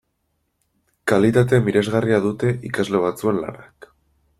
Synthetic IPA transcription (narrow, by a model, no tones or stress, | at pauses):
kalit̪at̪̬emiɾe̞zɣariaðut̪e̞ʔikazle̞βat͡sue̞nla̰nak